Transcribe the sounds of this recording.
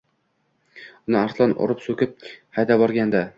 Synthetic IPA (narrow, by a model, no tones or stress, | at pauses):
ʊnɪaɾslanɒ̰ɾʊpsɵkʲɪp̚hajd̪abɒɾɡʲand̪a